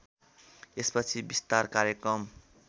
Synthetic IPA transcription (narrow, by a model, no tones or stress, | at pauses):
espʌt͡sʰibist̪arkaɾjekrʌm